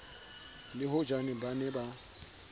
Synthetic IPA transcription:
liɦod͡ʒanibaneba

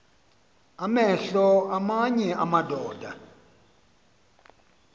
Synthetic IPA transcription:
amɛɬɔamaɲɛʔamadʱɔːd̥ʱa

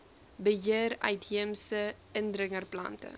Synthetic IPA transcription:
bəɦiərœɥtɦiəmsə | əndrəŋərplɐ̰ntə̰

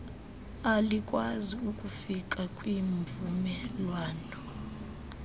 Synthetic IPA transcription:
alikʼwaziukʼufik̬ʼakʼwiɱvumɛlwaːnɔ

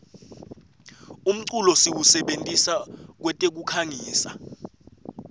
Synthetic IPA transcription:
um̩ǀulɔsiwusɛɓentʼisak̬wɛtʼek̬ukʰaŋiːsa

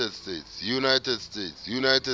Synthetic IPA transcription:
ɛdstetjunajtɛdstetsjunajtɛ

